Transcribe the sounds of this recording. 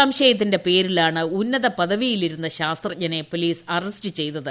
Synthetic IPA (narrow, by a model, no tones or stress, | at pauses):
aːmɕɐjɐt̪̬ːinde̞pe̞ːɾilaːɳɨunːɐðɐpɐðɐʋijiliɾun̪ːɐɕaːst̪rɐɲɐne̞poliːsɐrɐsʈɨt͡ɕe̞jt̪ːɐðɨ